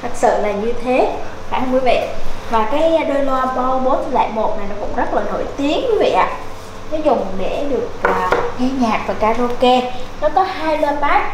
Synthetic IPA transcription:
t̪ʰə˨˩t̚sɨ̰˧˨laː˨˩ɲɨ˧t̪ʰe˨˦faː˧˩hə˧ŋ͡mki˨˦və̰˧˨jvaː˨˩kaː˨˦jɗəː˧jlwaː˧ɓɔ˧ɓo˨˦t̪ʰla̰ː˧˨jmo˨˩t̚na˨˩jnɔ˨˦kʊ̰˧˥ŋ͡mzə˦˥t̚laː˨˩no̰˧˩jt̪i˨˦ənkwi˨˦və̰˧˨jʔa̰ː˧˨ | nɔ˨˦zʊ˨˩ŋ͡mɗe˧˩ɗɨ˨˩ək̚ːka˨˦ɲaː˨˩k̚vaː˨˩kaː˧ɗo˧ke˧nɔ˨˦kɔ˨˦haː˧jləː˧paː˦˥t̚

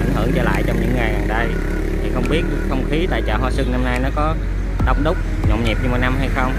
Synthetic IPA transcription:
jŋ̟ɦɨ̰˧˩əŋt͡ɕəː˧˩la̰ː˧˨jt͡ɕɔ˧wŋ͡mɲɨ̰˧˥ŋːa˨˩jʔaː˨˩nɗə˧j | t̪ʰi˨˩xə˧wŋ͡mɓi˦˥ət̚xə˧wŋ͡mxi˨˦t̪a̰ː˧˨jt͡ɕa̰ː˧˩ɦwaː˧sɨ˧ŋna˧mna˧jnɔ˨˦kɔ˨˦ | ɗə˧wŋ͡mɗʊ˦˥k͡p̚ | ɲɔ̰˧˨ŋ͡mɲḭ˨˩p̚ɲɨ˧mo˨˩j̚na˧mɦa˧jxə˧wŋ͡m

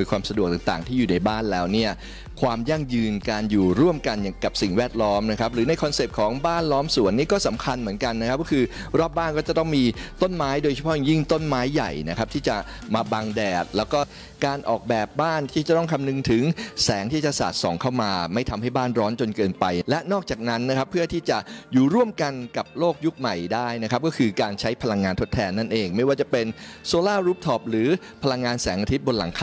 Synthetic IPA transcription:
jkwaː˧msa˧du˨˩k̚t̪a˨˩ŋt̪a̰ː˨˩ŋt̪ʰiː˥˩juː˨˩na˧jbaː˥˩nlɛː˦˥wni˥˩ɐ | kʰwaː˧mja˥˩ŋjɯː˧nkaː˧njuː˨˩ɾu˥˩əmka˧nja˨ka˨˩p̚si˨˩ŋwɛː˥˩t̪̚lɔː˦˥mna˦˥kʰp̚ɾɯː˩˦na˧jkʰɔ˧nse˨˩p̚kʰɔː˩˦ŋbaː˥˩nlɔː˦˥msu˩˦ənːiː˥˩kɔː˥˩sa˩˦mkʰa˧nmɯ˩˦ənka˧nːa˦˥kʰa˦˥p̚kɔː˥kʰɯː˧ɾɔː˥˩p̚baː˥˩nkɔː˥˩t͡ɕa˨˩t̪ɔ˥˩ŋmiː˧t̪o˥˩nmaː˦˥jdoː˧t͡ɕʰpʰɔ˦˥ja˨˩ŋji˥˩ŋt̪o˥˩nmaː˦˥jːa̰˨˩jna˦˥kʰa˦˥p̚t̪ʰiː˥˩t͡ɕa˨˩ | maː˧baː˧ŋdɛː˨˩t̪̚lɛː˦˥wkɔː˥˩ | kaː˧nʔɔː˨˩k̚bɛː˨˩p̚baː˥˩nt̪ʰiː˥˩t͡ɕa˨˩t̪ɔ˥ŋkʰa˧mnɯ˧ŋt̪ʰɯ˩˦ŋsɛː˩˦ŋt̪ʰiː˥˩t͡ɕa˨˩sa̰ː˨˩t̪̚sɔː˩˦ŋkʰa˥˩wmaː˧ma˥˩jt̪ʰa˧mha˥˩jbaː˥˩nɾɔː˦˥nt͡ɕo˧nkɤː˧npa˧jlɛ˦˥ʔnɔː˥˩k̚t͡ɕaː˨˩k̚na˦˥nːa˦˥kʰa˦˥pʰːɯ˥˩ɐt̪ʰiː˥˩t͡ɕa˨˩ʔjuː˨˩ɾu˥˩əmka˧nka˨˩p̚loː˥˩k̚ju˦˥k̚ma˨˩jdaː˥˩jna˦˥kʰa˦˥p̚kɔː˥˩kʰɯː˧kaː˧nt͡ɕʰa˦˥jpʰa˧la˧ŋːaː˧nt̪ʰo˦˥t̪ʰːɛː˧nːa˥˩nʔeː˧ŋma˥˩jwaː˥˩t͡ɕa˨˩pe˧nsoː˧laː˥˩ɾuː˦˥p̚t̪ʰɔː˨˩p̚ɾɯː˩˦ | pʰa˧la˧ŋːaː˧nsɛː˩˦ŋʔa˧i˦t̪̚bo˧nla˩˦ŋkʰa˧

